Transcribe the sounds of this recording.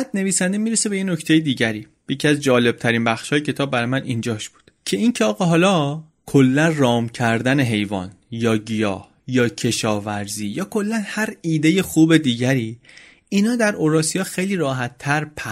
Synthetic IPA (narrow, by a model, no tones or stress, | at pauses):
æd̪ne̞viːsænd̪emiːɾesebe̞jeno̞cʰt̪ʰe̞jed̪iːɟæɾiː | jecʰiæzd͡ʒɒːle̞b̥̚t̪ʰæɾiːnbæxʃhɒːjecʰe̞t̪ʰɒːbːæɾjmænind͡ʒɒːʃb̥u̥ːd̪̥cʰe̞incʰeɒːɣɒɦɒːlɒː | kʰolːænrɒːmcʰæɾd̪æne̞ɦe̞jvɒ̰ːn | jɒːɟijɒ̰ːh | jɒːcʰe̞ʃɒːvæɾziːjɒːkʰo̞lːænhæɾiːd̪e̞je̞xuːbe̞d̪iːɟæɾiː | iːnɒːd̪æɾʔoɾɒːsijɒːxejliːɾɒːɦæt̪ʰːæɾpʰæ